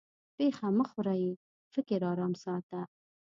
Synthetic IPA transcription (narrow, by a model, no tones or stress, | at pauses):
pexaməxʊɾaji | fɪkɪɾɑːɾɑmsɑt̪a